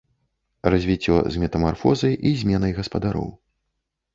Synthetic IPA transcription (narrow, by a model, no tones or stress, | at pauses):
rɐzʲvʲit͡sʲːɔ̰zʲmʲɛt̪ɐmarfɔzɐjʔizʲmʲɛnɐjɣɐspɐd̪aɾɔ̰w